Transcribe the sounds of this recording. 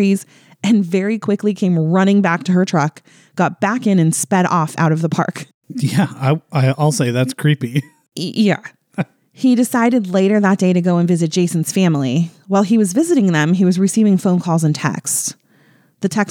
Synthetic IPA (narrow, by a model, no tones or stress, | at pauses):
iz | ɨ̃nvɛɹikʰw̥ɪklikʰẽɪ̃mɹʌñɪ̃ŋbæk̚tʰɨə˞tʰɹ̥ʌk | ɡ̥ɑt̚b̥ækɨ̃nɨ̃nspɛɾɔ̰fa̰ʊɾʌvðəpʰɑ̰ɹk | jæaɪaɪɔɪlˠseɪðætskʰɹ̥ipi | jæ̰ | hidɨsaɪɾɨdˡleɪɾə˞ðət̚d̥eɪɾɨɡoʊə̃nvɪzɨt̚d̥ʒ̥eɪsn̩z̥fæ̃mlˠiwaɪlˠiwʌzvɪzɨɾɪ̃ŋðɨ̃miwʌzɹɨsivɪ̃ŋfõʊ̃nkʰɔlˠzɨ̃ntʰɛ̰ks | ðɨtʰɛk